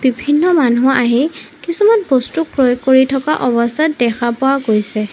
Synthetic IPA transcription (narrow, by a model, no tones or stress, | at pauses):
b̥ibʱinːɔmanuaʔaɦikisumanbɔstuk̚pɹɔjoɡkːoɹitʰɔkaʔɔbɔstʰatdɛkʰapowaɡojsɛ